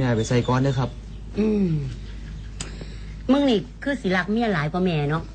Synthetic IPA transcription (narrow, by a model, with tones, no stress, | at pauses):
mɛː˧˩pa˨˩jsa˧˩jkɔː˧˦ndɯː˧˩kʰa˦˥p̚ | ʔɯː˧˩m | mɯ˧˥˨ŋni˧˩kʰɯː˧˥˩si˨˦la˧˥k̚mi˧˩˨laː˨˦jkɔː˧˦mɛː˧˩nɔ˧˥ʔ